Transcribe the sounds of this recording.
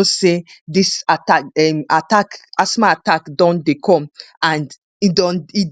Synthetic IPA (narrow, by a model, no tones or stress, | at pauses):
osedisataɛmatakasmaatakdɔ̃ndekʰɔ̃mãnd | idɔ̃ni